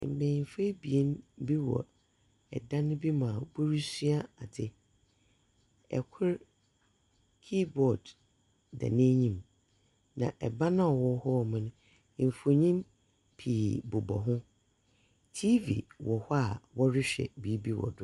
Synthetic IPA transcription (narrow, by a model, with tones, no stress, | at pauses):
m̩˨mẽ˨m˨fe˦bi˨e˦n˦bi˦wɔ̰˨ | ɛ˨dã˦nʊ̃˦bi˦mã˨bʊ˦ɾi˦si˦a˦a˨dɪ˦ | ɛ̰˨kʰʊ˦ɾ | kʰi˦bɔ˨d | dɛ̰˨nẽ˦ɲĩ˦m | nã̰˨ʔɛ˨ba˦nã˦ɔ˨wɔ˦hɔ˦˨mʊ̃˦nʊ̃˦˨ | m̩˨fu˨o˨ɲĩ˦m | pʰiː˨bʊ˨bɔ̰˨ɦʊ̃˦ | tʰi˦vḭ˨wɔ˨hɔ˦a˨wɔ˦ɾɪ˦ɕᶣɛ̰˨bi˨˦bi˦wɔ̰˨dʊ˦